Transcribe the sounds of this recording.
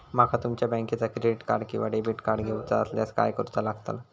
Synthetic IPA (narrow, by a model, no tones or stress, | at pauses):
makʰat̪umt͡ɕjabə̃ŋkit͡sakɾeɖiʈka̰ɾɖkĩʋaɖebiʈkaɾɖɡʱewt͡saəslaska̰jkəɾut͡salaɡt̪a̰l